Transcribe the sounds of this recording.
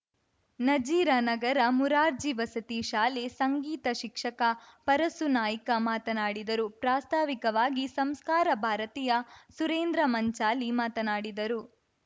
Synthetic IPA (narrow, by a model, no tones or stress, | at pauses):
nɐd͡ʒiːɾɐnɐɡɐɾɐmuɾaːɾd͡ʒiʋɐsɐt̪iʃaːlesɐŋɡiːt̪ɐʃikʂɐkɐpɐɾɐsunaːjikɐmaːt̪ɐnaːɽid̪ɐɾupɾaːst̪ʰaːʋikɐʋaːɡisɐmskaːɾɐbʱaːɾɐt̪iːjɐsuɾeːnd̪ɾɐmɐɲt͡ʃaːlimaːt̪ɐnaːɽid̪ɐɾu